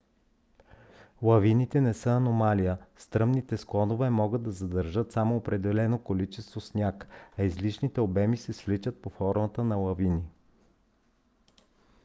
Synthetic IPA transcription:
lˠɐvinit̪ɛnɛsɤɐnomalijəst̪ɾɤmnit̪ɛsklˠɔnovɛmɔɡɤd̪ːɐzɐd̪əɾʒɤt̪samoːpɾɛd̪ɛlɛnokolit͡ʃɛst̪vosnʲjakɐizlit͡ʃnit̪ɛobɛmisɛsvlit͡ʃət̪̚pofɔɾmət̪ənɐlˠɐvini

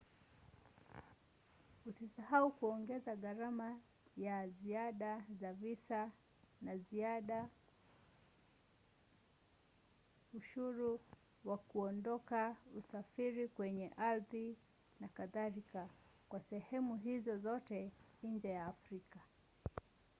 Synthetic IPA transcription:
usisahaukuɔŋɡɛzaɣaɾama | jaziaɗazavisa | naziaɗa | uʃuɾu | wakuɔndɔkausafiɾikwɛɲɛʔalði | nakaðaɾika | kwasɛhɛmuɦizɔzɔtɛ | iɲd͡ʒɛjaːfɾika

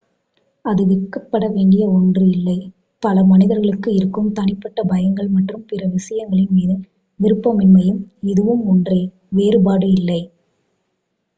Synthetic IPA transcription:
ɐðɯʋɪkːɐpːɐɽɐʋeːɳɖɪjɐɔndrɯɪlːɐɪ | pɐlɐmɐnɪðɐɾɣɐɭɯkːɯɪɾɯkːɯmt̪ɐnɪpːɐʈːɐbɐjɐŋɡɐɭmɐʈrɯmpɪrɐʋɪsɐjɐŋɡɐɭɪnmiːðɯ | ʋɪɾɯpːɐmɪnmɐjɯmɪðɯʋɯmɔndrɐɪ | ʋeːɾɯbaːɽɯɪlːɐɪ

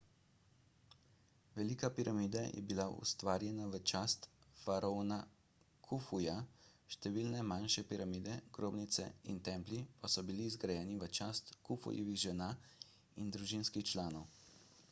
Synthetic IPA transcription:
ʋɛlikapiɾʔamiːd̪ajʔɛ̰bilaʔṵst̪ʋaːɾjɛnaʋət͡ʃaːst̪faɾona | kʰufujaʃt̪ɛʋilnɛmanʃɛpiɾamiːd̪ɛɡ̥ɾoːbnit̪sɛ̰ḭnt̪ɛːmplipasɔbiliːzɡɾajɛːniʋət͡ʃaːst̪kufṵjḭʋiɣʒɛna | ind̪ɾuʒinskixt͡ʃlaːnɔw

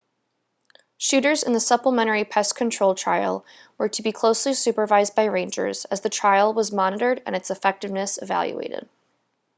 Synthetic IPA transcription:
ʃʉɾə˞zɨ̰̃nðəsʌpləmɛ̃ɾ̃ə˞ipʰɛskʰɨ̃ntʰɹ̥oʊlˠtʰɹ̥a̰ɪlˠ | wə˞ɾɨbikʰl̥oʊslisʉpə˞vaɪz̚baɪɹẽɪ̃nd͡ʒə̰˞z̥ɨzðɨtʰɹ̥aɪl̩ˠwʌzmɑnɨɾə˞ɾɨ̰̃nɨtsɨfɛk̚tɨvnɨsɨvæ̰lˠjṵḛɪɾɪ̰d̥̚

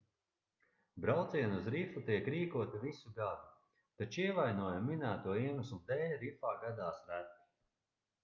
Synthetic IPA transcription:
bɾawt̪siɛnuzɾifut̪iɛkɾiːkuɔt̪ivisuɡad̪u | t̪at͡ʃiɛvajnuɔjaminæːt̪uɔiɛnusumd̪ɛːlʲɾifaːɡad̪aːsɾæt̪

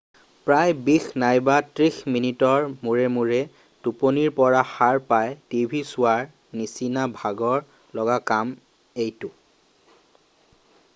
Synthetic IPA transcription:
pɹajbixnajbatɹixminitɔɹmuɹɛmuɹɛ | tuponiɹpɔɹaxaɹpajtibʱisʊaɹ | nisinabʱaɡɔɹ | lɔɡakam | ejtʊ

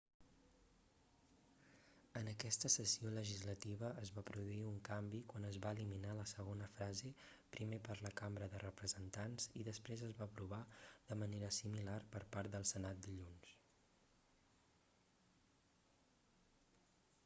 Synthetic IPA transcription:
ənəkɛst̪əsəsioləʒizlət̪iβəʔəzβapɾuðuiuŋkambikwanəzβaəliminaləsəɣonəfɾaze | pɾimepəɾləkambɾəðərəpɾəzənt̪anziðəspɾezəzβaːpɾuβ̞aðəməneɾəsimilarpəɾpaɾt̪̚d̪əlˠsənat̪̚d̪iʎuns

